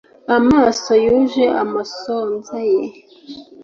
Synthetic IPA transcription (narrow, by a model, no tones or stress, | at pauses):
amaːsojuʒeʔamasoːnzaje